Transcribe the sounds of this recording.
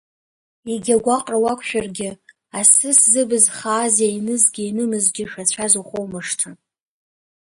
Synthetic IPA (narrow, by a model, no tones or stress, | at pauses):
iɡʲaɡʷaqʼrawakʷʰʼʃᶣarɡʲɪ | asɨszɨbɨzχaːzainɨzɡʲɪinɨmɨzɡʲɪʃᶣat͡ɕʷʰazuχowmɨʂtʰa